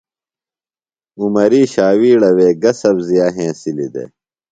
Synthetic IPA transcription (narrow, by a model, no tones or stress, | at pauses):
umɐɾiːɕaːwiːɽɐweːɡɐsɐbzijaːɦẽːsilid̪ḛ